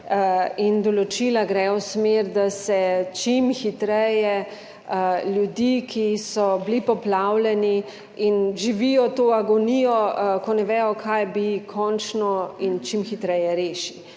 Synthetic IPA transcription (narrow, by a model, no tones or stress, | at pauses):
ind̪ɔlɔt͡ʃilaɡɾɛɔwsmeɾd̪asɛt͡ʃimxit̪ɾɛjɛ | ljud̪ikʰisɔblipɔplawlɛni | inʒiʋijɔt̪oːaɡɔnijɔkɔnɛʋɛːjɔkʰajbikʰɔnt͡ʃnɔint͡ʃimxit̪ɾɛjɛɾeːʃi